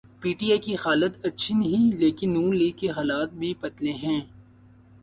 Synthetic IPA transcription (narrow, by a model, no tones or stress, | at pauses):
piːʈijaːkixaːlət̪ɐtːʃʰinɐɦĩleːkɪnːũːnliːkeɦaːlaːt̪̚bʱipɐt̪leɦɛ̃ː